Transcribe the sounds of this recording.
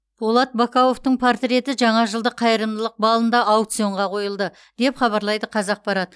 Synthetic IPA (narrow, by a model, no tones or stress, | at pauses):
b̥olˠɑt̪̚bakawo̞ft̪əɴpʰoɾt̪ɾʲe̞t̪ɪʒɑɴɑʒəlˠd̪əqʰɑjəɾəmd̪əlˠəq̚bɑlˠənd̪ɑawt̪sijo̞ɴʁɑqʰo̞jəlˠd̪ə | d̪̥e̞pχɑβɑɾlˠɑjd̪əqʰɑzɑq̚bɑɾɑd̪ə